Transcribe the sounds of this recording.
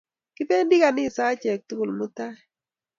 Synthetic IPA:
kɪ˦pe˦ndi˦ka˨nɪ˦˨sa˦t͡ʃɛ˨k̚t̪u˦ɡu˨lmʊ˦t̪a˦˨

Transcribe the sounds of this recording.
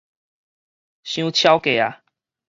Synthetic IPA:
ɕjũ˦t͡ɕʰja˦ʊke˨˩˨a˨˦

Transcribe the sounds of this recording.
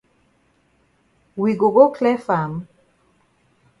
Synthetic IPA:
wi˨ɡo˨ɡo˦kʰlɛ˦fa˨m

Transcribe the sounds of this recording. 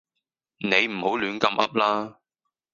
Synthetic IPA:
ne˨˧jm̩˨˩ho˨˥wlyː˨˥nkɐ˧mʔɐ̰˥p̚laː˥

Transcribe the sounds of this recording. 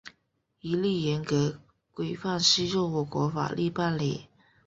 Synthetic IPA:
i˧˥li˥˩jɛ˧˥nkɤ˧˥ | kwe˨˩ɪfa˥˧ŋʂ̩˥ɻo˥˧ʊwɔ˨˩kwɔ̰˧˥fa̰˨˩lʔi˥˧pa˥˩nle˨˩˦

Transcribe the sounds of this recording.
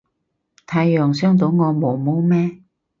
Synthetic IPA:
t̪ʰaː˨˧jjœː˨ŋsœː˥ŋt̪̬o˨˧wŋɔː˨˧mo˨˧wmo˨˥wmɛː˥

